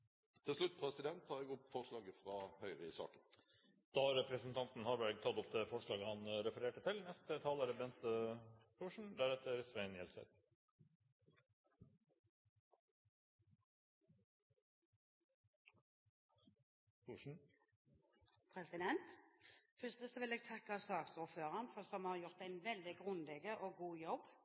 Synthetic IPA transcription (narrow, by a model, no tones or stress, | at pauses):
t̪ʰɪlʂlʉt̪̚ːpʰʁɛsɪd̪ɛnt̪̚ʰːɑːʁɛɡʊpfɔʁʂlɑːɡəfʁɑːhœʏʁəɪsɑ̰ːkən | d̪̥ɑɾɛpɾəsnt̪ʰɑnt̪n̩hɑːɾbæɾɡ̚t̪ʰɑt̪ʊp̚d̪ɛfɔʂɭɑːɡəhɑnɾɛfəɾeːʈət̪ʰɪlnɛst̪ət̪ʰɑːləːɾəbɛnt̪əpʰʊʂɳ̩d̪æɾɛt̪əɾsʋæɪnjɛlsə̰d̪ | pʰuːʂɳ̩ | pʰʁɛsɪd̪ɛnt̪fʏst̪əsɔʋɪleːɡ̚t̪ʰɑkːɑsɑːksuːʁføːʁɑnfɔsɔmhɑʁjʊʁt̪æɪnʋɛld̪ɪɡʁʉnd̪ɛɡəʔoːɡuːjɔb